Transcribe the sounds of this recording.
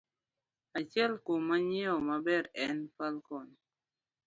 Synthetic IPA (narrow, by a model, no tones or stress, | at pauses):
at͡ʃjɛlkomːaɲiɔmabɛɾɛnfalkɔn